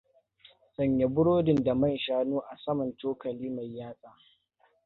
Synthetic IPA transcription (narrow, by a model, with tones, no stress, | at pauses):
sɐ˨ɲje˨bʊ˦ɽoː˦dɪ˨nda˨mɐ˦˨nʃaː˦nuː˦ʔa˨sɐ˦mɐ˨ntoː˦kɐ˨liː˦ma˨jːaː˦sʼaː˨